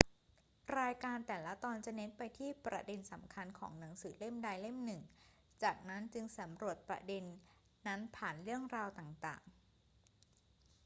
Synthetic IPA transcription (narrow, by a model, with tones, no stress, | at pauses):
ɾaː˧jkaː˧nt̪ɛː˨˩la˦˥t̪ɔː˧nt͡ɕa˨˩ne˦˥npa˧jt̪ʰiː˥˩pɾa̰˧de˧nsa˩˦mkʰa˧nkʰɔ̰ː˩˦ŋna˩˦ŋsɯː˩˦le˥˩mdaː˧jle˥˩mnɯ˨˩ŋ | t͡ɕaː˨˩k̚na˦˥nt͡ɕɯ˧ŋsa˩˦mɾu˨˩ət̪̚pɾa̰˧de˧nː | a˦˥npʰaː˨˩nɾɯ˥˩əŋɾaː˧wt̪aː˨˩ŋt̪a̰ː˨˩ŋ